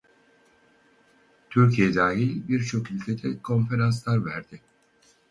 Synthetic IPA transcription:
t̪ʰyɾcʰijɛd̪aːɦilʲbiɾt͡ʃʰo̞kylʲcʰe̞d̪ʰɛkʰo̞nfe̞ɾans̬lˠaɾvæɾd̪̥ɪ

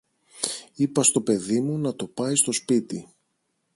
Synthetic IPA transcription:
ipɐst̪o̞pe̞ðimunɐt̪o̞pɐjst̪o̞spit̪i

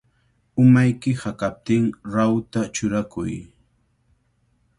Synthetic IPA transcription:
ʊmajkɪhakap̚t̪ɪŋɾawt̪at͡ʃʊɾakʊj

